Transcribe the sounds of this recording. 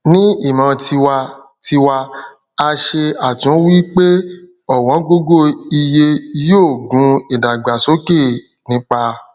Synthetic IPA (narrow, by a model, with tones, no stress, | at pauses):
nĩ˦i˦˨mã˨˧ti˧wa˧ | ti˧wa˧ | a˧ʃe˧a˨tũ˨˦wi˦k͡pe˦ | ɔ˦˨w̃ɔ̃˨˦ɡo˦ɡo˦˨i˧je˧joː˦˨ɡũ˨˦i˨da˨ɡ͡ba˨so˨˦ke˦˨ | nĩ˨˦k͡pa˧